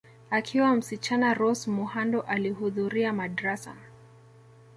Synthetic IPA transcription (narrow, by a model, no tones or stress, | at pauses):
akʰiwam̩sit͡ʃanaɾɔsmuhandɔʔalihuðuɾiamadɾasa̰